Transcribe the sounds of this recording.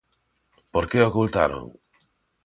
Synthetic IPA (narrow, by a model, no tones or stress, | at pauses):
poɾkeokult̪a̰ɾo̰ŋ